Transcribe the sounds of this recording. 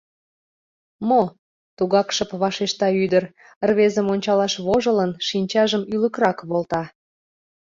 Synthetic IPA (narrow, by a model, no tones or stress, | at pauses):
mo | t̪uɣɑkʃəpβɑʃeʃt̪ɑyd̪ər | ərβezəmonʲt͡ɕɑlɑʃβoʒələnʃinʲt͡ɕɑʒəmyləkɾɑkβolt̪ɑ